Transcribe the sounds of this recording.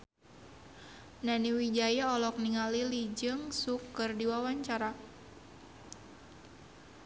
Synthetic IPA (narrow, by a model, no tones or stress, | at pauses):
naniwid͡ʒajaɔlɔk̚niŋalilid͡ʒɨŋsukɨrdiwawaɲt͡ʃaɾa